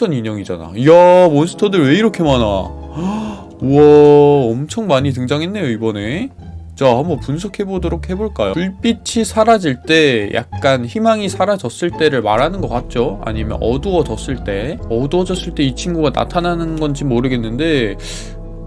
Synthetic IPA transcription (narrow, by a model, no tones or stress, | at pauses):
ʌniɲʌŋid͡ʑa̰na̰jamonsʰɯ̥tʰʌdɯɭwe̞iɾʌkʰe̞mana̰ | uʌːmt͡ɕʰʌŋmaɲitɯŋd͡ʑaŋɦe̞nːe̞joibʌne̞ | t͡ɕamʌpunsʰokʰe̞bodoɾokhe̞boɭk͈ajo̰uɭp͈it͡ɕʰisʰaɾad͡ʑiɭt͈e̞jʔa̰k̚k͈ançimaŋisʰaɾad͡ʑʌs͈ɯɭt͈e̞ɾɯɭmaɾɦanɯnɡʌk͈at̚t͡ɕ͈oa̰ɲimjʌ̰nʌduʌd͡ʑʌs͈ɯɭt͈e̞ʌduʌd͡ʑʌs͈ɯɭt͈e̞it͡ɕʰinɡuɡana̰tʰananɯnɡʌnt͡ɕimːoɾɯɡe̞nːɯnde̞